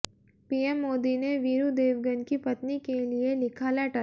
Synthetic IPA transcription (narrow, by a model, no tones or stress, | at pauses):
piːɛmːoːd̪ineʋiːɾud̪eːʋɡənkipɐt̪nikelielɪkʰaːlɛʈə